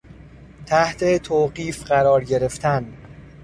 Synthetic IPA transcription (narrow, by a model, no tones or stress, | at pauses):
t̪ʰæht̪ʰet̪ʰoːɢiːfɢæɾɒːɾɟe̞ɾe̞ft̪ʰæn